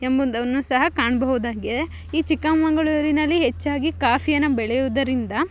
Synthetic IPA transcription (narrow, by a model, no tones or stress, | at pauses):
embond̪ɐʋɐnːusɐɦɐkaːɳɐbɐɦud̪aːɡide | iːt͡ʃikːɐmmɐŋɡɐɭuɾinɐlːiɦet͡ʃːaːɡikaːfijɐnːɐbɛɭɛjud̪ɐɾind̪ɐ